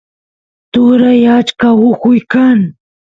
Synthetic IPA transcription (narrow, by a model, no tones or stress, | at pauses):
t̪ʊɾajat͡ʃkawʊkʊjkaŋ